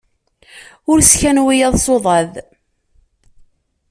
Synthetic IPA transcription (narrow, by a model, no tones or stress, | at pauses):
ʊɾsçænwijæðˤsoðˤɑð